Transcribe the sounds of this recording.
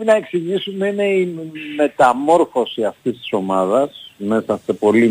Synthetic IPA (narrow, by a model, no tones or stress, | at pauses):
inɐeksiʝisumeineime̞t̪ɐmo̞ɾfo̞siɐft̪ist̪i̥so̞mɐðɐsme̞sɐse̞po̞li